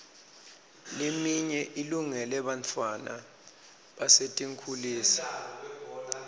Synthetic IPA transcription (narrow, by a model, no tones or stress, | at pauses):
lemiɲɛʔiluŋɛlɛɓantʰʼwana̰ | ɓasetʼiŋkʰuliːsi̥